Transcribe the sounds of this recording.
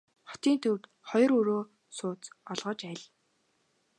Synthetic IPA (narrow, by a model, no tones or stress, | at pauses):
χɔ̥t̪iːnt̪ʰɵrt̪ | χɔjɞ̆rɵɾoː | sʊːt͡sɔɮʁɞ̆t͡ɕæɮ